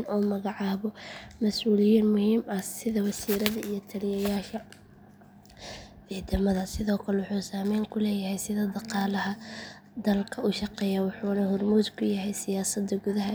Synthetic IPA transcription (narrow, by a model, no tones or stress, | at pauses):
nɔːmɐɣɑʕɑːβɔmɐsuːlɪjiːnmʊhiːmɐsɪðɐwɐsiːɾɐðɐijɞt̪ʰɐlɪjɐjaːʃɐ | iːt̪ɐmɐðɐsɪðɔːkʰɐlɛwʊħuːsaːmɛjŋkʰʊlɛːjɐɦɛjsɪðɐd̪ɑqɑːlɐɦɐ | d̪ɐlkʰɐʔʊʃɑqɛjawʊħuːnɐhʊrmuːd̪kʰʊjɐɦɛjsɪjaːsɐd̪ɐɡʊðɐɦɐ